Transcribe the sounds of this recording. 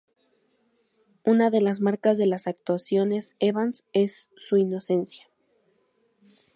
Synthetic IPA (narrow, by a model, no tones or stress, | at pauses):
unaðe̞lazmaɾkazðe̞lasak̚t̪wasjo̞ne̞seβanse̞sːuino̞se̞nsjḁ